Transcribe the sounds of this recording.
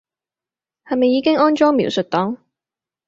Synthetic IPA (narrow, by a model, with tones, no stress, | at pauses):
hɐ˨jmɐ˨jːiː˨˧kɪ˥ŋɔː˥nt͡ʃɔː˥ŋmḭː˨˥wsɵ˨t̚t̪ɔː˨˥ŋ